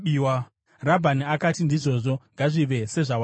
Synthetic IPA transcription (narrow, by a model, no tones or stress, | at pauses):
iwa | rabʱaniakatindiʐo̞ːʐo̞ŋɡaʐiʋe̞se̞ʐawa